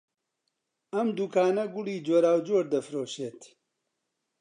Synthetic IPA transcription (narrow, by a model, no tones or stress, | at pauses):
ɐmd̪uːkaːnɐɡʊliːd͡ʒoːɾaːwd͡ʒoːɾd̪ɐfɾoːʃeːt̪